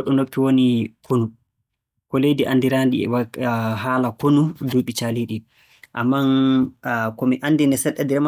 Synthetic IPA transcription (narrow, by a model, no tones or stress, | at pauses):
ɗɔnokːiwonikʰonu | kɔlejdiʔandiɾandiwaɦaːlakonuduɓit͡ʃaliɗi | ʔa̰mːan | kɔmiʔandinɛsɛɗːɛdiɾm